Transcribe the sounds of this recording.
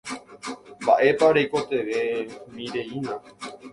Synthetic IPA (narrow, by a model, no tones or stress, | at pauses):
mba̰ʔe̞paɾejko̞t̪e̞ʋe̞miɾe̞inã